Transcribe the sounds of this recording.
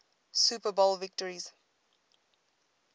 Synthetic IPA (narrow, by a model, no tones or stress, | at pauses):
suːpəbolˠvɪk̚təɹiz̥